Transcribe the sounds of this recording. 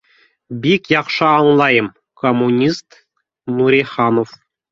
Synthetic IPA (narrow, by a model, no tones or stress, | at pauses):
bʲikjɑχʂɑɤŋlˠɑjɤ̆m | komːunʲist̪ | nuɾʲiχɑnof